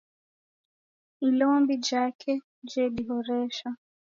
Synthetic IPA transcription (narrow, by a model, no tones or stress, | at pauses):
ilɔmbid͡ʒakʰɛ | d͡ʒɛɗiɦɔɾɛʃa